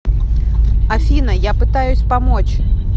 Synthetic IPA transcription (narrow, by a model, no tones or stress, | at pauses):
afʲinɐjapɨt̪ajʊsʲpamɔt͡ɕ